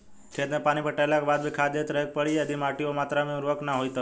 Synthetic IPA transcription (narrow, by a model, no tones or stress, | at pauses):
kʰet̪nepaɽ̃ipəʈalakbad̪̚bʱikʰad̪jet̪ɾəjək̚pəɭieəd̪ʱimaʈiomat̪ɾamẽuɾʋəknaɦojt̪o